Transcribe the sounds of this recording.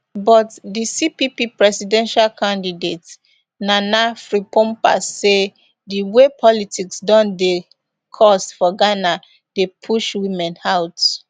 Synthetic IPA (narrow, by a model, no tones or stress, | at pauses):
bɔtdisipipipɹɛsidɛ̃nʃalkʰãndidet | nanafɹipɔ̃mpa̰sːe | diwepʰɔlitʰiksdɔ̃nde | kʰɔstfɔɡana | depʰuʃwĩmɛ̃naʊt